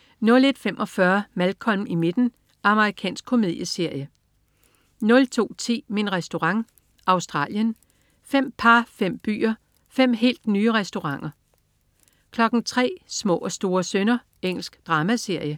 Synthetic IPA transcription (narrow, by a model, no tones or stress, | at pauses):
nɔ̽le̝d̥femʔɒ̽fɶɐmælkʰɒ̽m̰̩ime̝d̥n̩ | ɑ̈məʁikʰɛ̰ːnsɡ̥̚kʰo̝með̰ˠjəse̝ɐ̰jə | nɔ̽lt͡sʰo̝̰ːt͡sʰe̝̰ːminʁɛsd̥o̝ʁɑ̈ŋ | ʔɑ̈ʊsd̥ʁɑ̰̈ːljən | fem̰pʰɑ̈fem̰b̥y̰ːɐ | fem̰ɦe̝̰ːld̥nyːəʁɛsd̥o̝ʁɑ̈ŋ̰ɐ | kʰlɒ̽ɡ̥n̩t͡sʰʁɛ̰ːsmɔ̰̽ːɒ̽sd̥o̝ːɐsønɐ | eŋ̰l̩sɡ̥d̥ʁɑ̈ːmæse̝ɐ̰jə